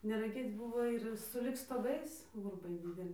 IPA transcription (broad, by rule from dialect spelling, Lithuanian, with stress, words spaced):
nʲɛrɐˈɡʲeːt͡s ˈbʊʋoː ɪr sʊˈlʲɪk stoːˈɡɐɪs ɡʊrˈbɐɪ dʲɪdʲɛˈlʲɪ